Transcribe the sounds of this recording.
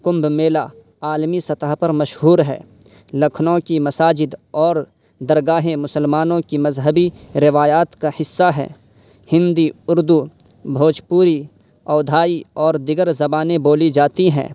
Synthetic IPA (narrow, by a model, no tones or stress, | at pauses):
kʊ̃mbmeːla | aːlmisɐt̪əɦpɐɾmɐʃɦuːɾɦɛ̰ː | lɐkʰnõkimɐsaːd͡ʒɪd̪ɔːɾ | d̪ɐɾɡaːɦẽmʊsəlmaːnõkimɐzɦəbiɾɪʋaːjaːt̪kahɪsːaɦɛ̰ː | hɪ̃nd̪iʊɾd̪u | bʱoːd͡ʒpuːɾi | ɔːd̪ʱaːiɔːɾd̪ɪɡəɾzɐbaːneboːlid͡ʒaːt̪iɦɛ̰̃ː